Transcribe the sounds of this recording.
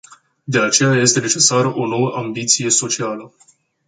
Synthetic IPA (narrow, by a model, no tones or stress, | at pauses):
d̪e̞at͡ʃe̞jaje̞st̪e̞ne̞t͡ʃe̞saɾo̞no̞wəʔambit̪sije̞so̞t͡ʃialə